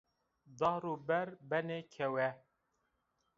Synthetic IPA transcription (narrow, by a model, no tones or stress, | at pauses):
d̪ɑːɾuːbɛɾbɛneːkʰɛwɛ